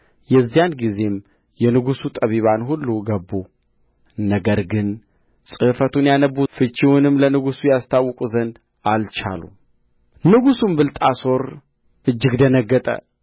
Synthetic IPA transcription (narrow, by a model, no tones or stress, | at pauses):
jɛzːijanɡize̞m | jɛnɨɡusut̪ʼəβiβanhulːuɡəbːu | nəɡəɾɡɨn | sʼɨfət̪ʰunjanəbufɨt͡ʃʼːiwunɨmlənɨɡusujast̪ʰawːkʼuzənd̪ | alt͡ʃa̰lṵ | nɨɡusumbɨlt̪ʼaso̞ɾ | ʔɨd͡ʒːɨɡd̪ənəɡːət̪ʼə̰